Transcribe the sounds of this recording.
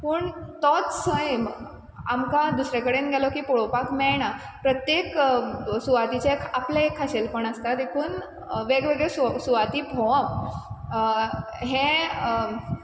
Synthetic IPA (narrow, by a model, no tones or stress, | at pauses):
puːɳt̪ɔt̪səjem | amkad̪usɾekəɽenɡʱalɔkiːpoɭopakmɛɭɳa | pɾət̪jeksuʋat̪it͡ɕekʰapleekʰːaɕelpəɳəst̪ad̪ekʰuːn | ʋeɡʋeɡɭessuʋat̪iːbʱɔʋam | ɦẽ